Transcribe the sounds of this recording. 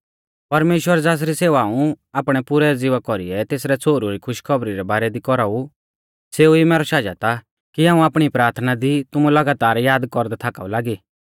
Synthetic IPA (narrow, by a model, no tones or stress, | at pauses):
pɐɾmeːʃwəɾd͡zaːs̬ɾiseːʋaːũ | aːpɽ̃ɛpʊɾɛd͡zɪʋakɔɾḭɛt̪eːsɾɛt͡sʰoːɾuɾikʰʊʃkʰɔbɾiɾɛbaːɾɛd̪ikɔɾau | seːuimɛːɾɔʃaːd͡ʒa̰t̪a | kiãːũaːpɽ̃ipɾaːɾt̪ʰnad̪it̪ʊmulɐɡaːt̪aːɾjaːd̪kɔɾd̪ɛt̪ʰaːka̰ulaːɡiː